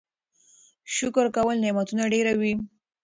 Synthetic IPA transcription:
ʃʊkɾkawəlnɪmat̪unaɖeɾawi

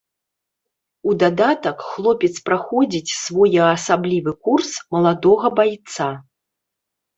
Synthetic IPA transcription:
ud̪ad̪at̪ɐkxlˠɔpʲɛt̪spɾaxɔd͡zʲit͡sʲsvɔjɐɐsablʲivɨkursmɐlˠad̪ɔɣɐbajt̪sa

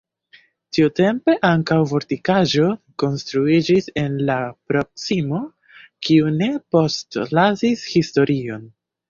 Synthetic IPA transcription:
tiute̞mpe̞ʔaŋkawvo̞ɾtikaʒo̞ko̞nstɾuid͡ʒise̞nlapɾo̞k̚simo̞ | kʰiune̞po̞stlazishisto̞ɾio̞n

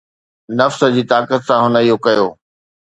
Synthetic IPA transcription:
nɐfsə̆d͡ʑiːt̪aːkət̪sãɦʊnəijokɐjoː

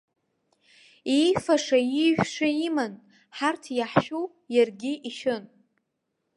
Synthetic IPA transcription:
ijfaʂaiʒʷᶣʂʷaiman | ħartʰjaħʃu | jarɡʲɪʔiʃɨn

